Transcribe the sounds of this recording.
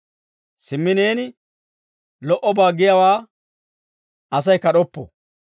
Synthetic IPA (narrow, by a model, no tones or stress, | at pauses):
sɪmːɪneːnɪ | lɔʔɔbaːɡɪjawaː | ɐs̬ɐjkɐɗɔpːɔ̰